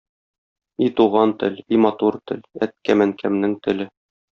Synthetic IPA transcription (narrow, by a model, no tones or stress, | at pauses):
it̪uʁɑnt̪ɘlimɑt̪uɾt̪ɘ̰̆læt̪̚kæmæŋkʰæmnɘŋt̪ɘ̆lɘ